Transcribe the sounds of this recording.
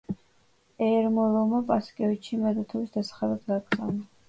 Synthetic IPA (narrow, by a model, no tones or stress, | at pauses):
ɛɾmɔlˠɔmapʼaskʼɛvit͡ʃʃʰimɛd̪at̪ʰɔvisd̪asḁχad̪ad̪ɡaɡza̰vna